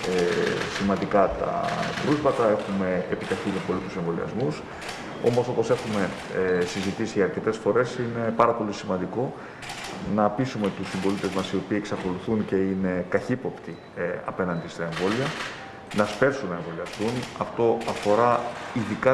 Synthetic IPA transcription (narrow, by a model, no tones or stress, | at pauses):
esimɐnd̪ikɐt̪ɐ̰pɾuzvɐt̪ɐe̞xume̞ːpit̪ɐçinipo̞lit̪use̞ɱvo̞liɐ̰zmus | o̞̰mo̞so̞po̞se̞xume̞ | sizit̪isiʝɐːɾce̞t̪e̞sfo̞ɾe̞sine̞pɐɾɐpo̞lisimɐnd̪iko̞ | nɐpisume̞t̪usimbo̞lit̪e̞zmɐsio̞piːeksɐko̞luθunce̞ine̞kɐçipo̞pt̪i | ɐ̰pe̞nɐnd̪ist̪ɐe̞ɱvo̞liɐ | nɐspe̞ɾsunːɐeɱvo̞liɐst̪unɐft̪o̞ɐfo̞ɾɐiðikɐ